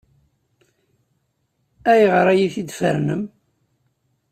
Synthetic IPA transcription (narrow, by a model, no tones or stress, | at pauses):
æjʁəɾæjiθid̪fə̰ɾnəm